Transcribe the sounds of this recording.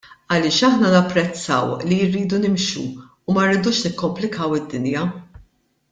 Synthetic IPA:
ɐlɪːʃɐħnɐnɐpːɾɛt͡sːɐ̰wlirːiːd̪unɪmʃṵː | mɐɾːɪːd̪uːʃnɪkːɔmplɪkʰɐwɪd̪ːɪnjɐ

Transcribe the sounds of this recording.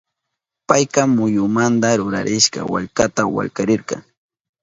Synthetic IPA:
pajkɑmːʊjʊmant̪aɾʊɾa̰ɾʔɪʃkɑ̰wa̰ʎkat̪awa̰ʎkaɾɪɾqɑ̰ŋ

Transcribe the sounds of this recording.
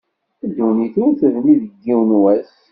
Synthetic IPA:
əd̪ːuniθinθəvniðəɡːiwnwæs

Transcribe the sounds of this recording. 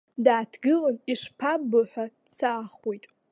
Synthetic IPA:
daːtʰɡɨlaniʂpʰabɨħʷadt͡sʰaːχojtʼ

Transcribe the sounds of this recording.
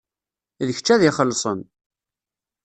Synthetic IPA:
ðəçə̥t͡ʃːæðɪχəlːsˤən

